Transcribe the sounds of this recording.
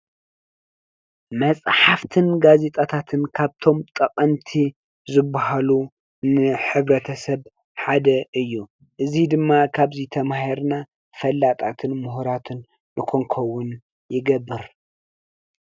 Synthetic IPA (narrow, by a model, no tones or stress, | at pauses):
mɐt͡sʼħaft̪ʰɨnɡaze̞t̪ʼat̪ʰat̪ʰɨnkʰaβt̪ʰo̞mt̪ʼɐqʼɐmt̪ʰi | zɨbːaɦalu | nɨħɨβɾɐt̪ʰɐsɐβ | ħad̪ɐʔɨjːu | ʔɨzid̪ɨmːakʰaβzit̪ʰɐmahiɾna | fɐlːat̪ʼat̪ʰɨnmʊɦuɾat̪ʰɨnː | ʔɨkʰo̞ŋkʰɐwːʊn | jɪɡɐbːɨɾ